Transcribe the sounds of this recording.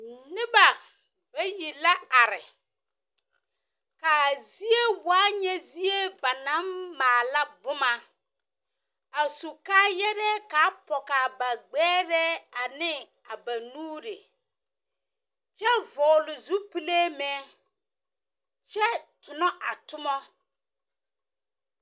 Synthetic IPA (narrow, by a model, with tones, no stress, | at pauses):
nɪ˦ba˨ | b̥a˦ji˨la˦a˨ɾɪ˨ | ka˨zi˦e˦waː˦ɲɛ˦zi˦e˦ba˨na˦mːaː˨la˦bʊ˦ma˨ | a˨su˨kaː˦jɛ˦ɾɛ˦ka˨˦pɔ˨ka˨ba˨ɡ͡bɛː˦ɾɛ˦a˨nɪ˦ | a˨ba˨nuː˦ɾɪ̰˨ | t͡ʃɛ˦vɔː˨lʊ˨zu˦pi˦le˦mɛː˦ | t͡ʃɛ˦tʊ˨nɔ˦ʔa˨tʊ˦mɔ˦